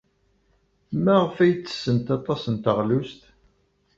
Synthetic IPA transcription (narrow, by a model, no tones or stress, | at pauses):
mæʁəfæjt͡sːə̥sːənt̪ɑt̪ˤɑsənt̪əʁlust̪